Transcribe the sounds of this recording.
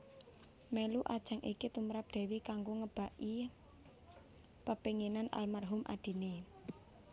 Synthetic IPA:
meluʔad̥ʒ̥a̤ŋʔikit̪umɾap̚d̪̥ɛ̤wikaŋɡoŋəb̥a̤ʔi | pəpeŋenanʔa̰lmarɦʊmʔa̰d̪̥i̤ne

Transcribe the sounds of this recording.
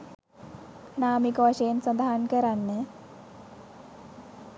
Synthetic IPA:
naːmikɐʋaʃɐjənsɐnd̪aɦankəɾanːe

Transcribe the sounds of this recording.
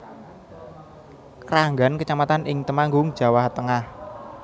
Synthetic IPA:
kəɾaŋɡa̤nkət͡ʃamat̪anʔɪŋt̪əmaŋɡʊŋd̥ʒ̥ä̤waht̪əŋah

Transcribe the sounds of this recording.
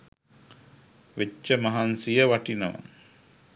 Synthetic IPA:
ʋet͡ʃːəmaɦansijəʋaʈinəʋa̰

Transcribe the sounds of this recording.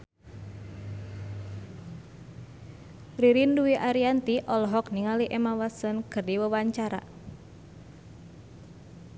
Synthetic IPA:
riɾinduiʔaɾiant̪iʔɔlɔɦɔkniŋaliʔɛmawasənkɨrdiwəwaɲt͡ʃaɾa̰

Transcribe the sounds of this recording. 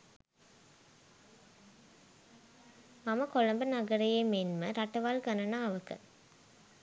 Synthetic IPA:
mɐmɐkolɐmbɐnɐɡɐɾɐjemenmɐɾɐʈːɐʋaːlkɐnɐnaːɐʋɐkɐ̰

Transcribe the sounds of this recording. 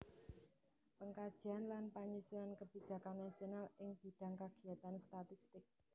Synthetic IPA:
pəŋkad̥ʒ̥i̤anlanpaɲusulankəb̥i̤̥d͡ʒ̥ä̤kanːasionalɪŋb̥i̤ɖ̥a̤ŋkaɡ̥iat̪anst̪at̪ist̪ɪk̚

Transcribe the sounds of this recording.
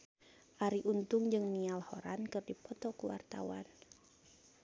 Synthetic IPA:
ʔaɾiʔunt̪ʊŋd͡ʒɨŋnialhoɾankɨrdipɔt̪ɔkuwa̰rt̪a̰wa̰n

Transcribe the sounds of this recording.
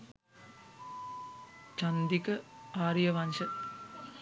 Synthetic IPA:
t͡ʃɐnd̪ikɐaːɾjɐʋɐnʃɐt̪

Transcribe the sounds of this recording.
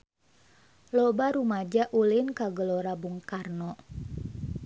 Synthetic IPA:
lɔbaɾumad͡ʒaʔulinkaɡəloɾabuŋkarnɔ

